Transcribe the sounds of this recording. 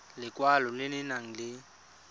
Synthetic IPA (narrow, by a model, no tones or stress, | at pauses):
lɪkʼwalɔlɪnɪnaŋ̩lɪ